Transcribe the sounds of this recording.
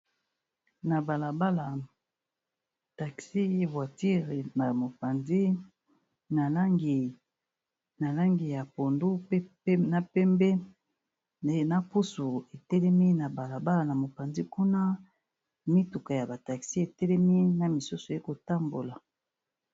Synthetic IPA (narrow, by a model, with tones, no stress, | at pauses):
na˨ba˨la˨ba˦la˨ | ta˨ksi˦˨vwa˨ti˦ʁe˨na˨mo˨pa˨nzi˦ | na˨la˦ɡi˨ | na˨la˦ŋɡi˨ja˨po˨ndu˦pe˦ | na˦˨pɛ˦mbɛ˦ | e˦na˦po˦so˨e˨tɛ˦lɛ˦mi˦na˨ba˨la˨ba˦la˨na˨mo˨pa˨nzi˦ku˦na˦ | mi˦tu˨ka˨ja˨ba˨ta˨ksi˦e˨tɛ˦lɛ˦mi˦na˨mi˨so˦so˨e˦ko˨ta˦mbo˨la˨